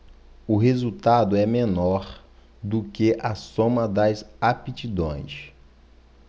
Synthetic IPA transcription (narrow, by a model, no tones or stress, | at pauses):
ʊɦezut̪ad̪ʊɛmẽnɔɾ | d̪ʊkeʔɐsõmɐd̪ɐzapit͡ʃid̪õ̰j̃ʃ